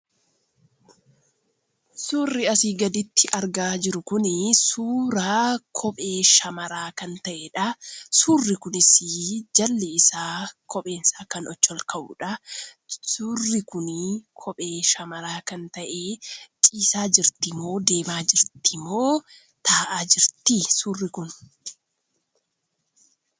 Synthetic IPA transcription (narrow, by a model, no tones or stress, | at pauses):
suːrːɪɐsiːɡɐd̪ɪt̪ːɪʔɐɾɡaːd͡ʒɪɾʊkʊnɪsuːɾaːkʰɔpʼe̞ːʃɐmɐɾaːkɐnt̪ɐʔeᶑɐsuːrːɪkʊnɪsɪd͡ʒɐlːɛɪsaːkʰɔpʼe̞ːnsaːkɐnɔt͡ʃːɔlkʰɐʔʊ̰ːᶑɐ | suːrːɪkʊnɪkʰɔpʼe̞ːʃɐmɐɾaːkɐnt̪ɐʔeːt͡ʃʼiːsaːd͡ʒɪɾt̪ɪmo̞ːd̪eːmaːd͡ʒɪɾt̪ʰɪmo̞ː | t̪ʰaːʔaːd͡ʒɪɾt̪ɪsuːrːɪkʊn